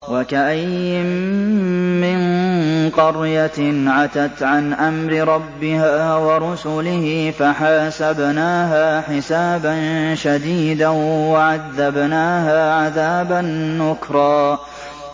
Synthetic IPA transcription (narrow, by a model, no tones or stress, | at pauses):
wakaʔajːɪ | ɪnqɑɾjat̪ʕat̪at̪ʕanʔamɾɪɾˤɑbːɪɦaːwɑɾˤʊsʊlɪhɪfaħaːsabnaːɦaːħɪsaːbanʃad̪iːd̪awaʕaðːabnaːɦaːʕaðaːbanːʊkɾˤɑː